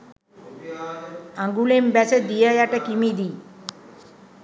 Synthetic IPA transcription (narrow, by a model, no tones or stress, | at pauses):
aŋɡulembæsəd̪ijəjaʈəkimid̪i